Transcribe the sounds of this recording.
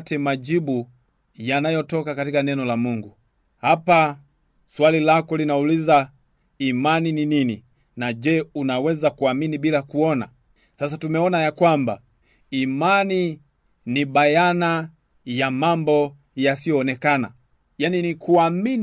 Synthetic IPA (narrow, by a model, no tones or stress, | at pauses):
tɛmad͡ʒibu | janajɔtɔkakatikanɛnɔlamuŋɡu | hapa | swalilakɔlinauliza | imanininini | nad͡ʒɛunawɛzakuaminibilakuɔna̰ | sasatumɛɔnajakwamba | imani | nibajana | jamambɔ | jasijɔːnɛkana̰ | janinikuamin